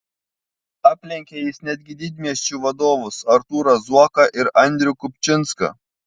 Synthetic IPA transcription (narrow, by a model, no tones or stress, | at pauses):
ɑːpʲlʲɪŋʲkʲejɪsnʲɛd̪ʲɡʲɪd̪ʲɪːd̪ʲmʲiɛsʲt͡ʃʲuːʋɐd̪oːʋʊsɐɾt̪uːɾɐzuɔkɐʔɪɾɐnʲd̪ʲɾʲʊkʊpʲt͡ʃʲɪnskɐ̰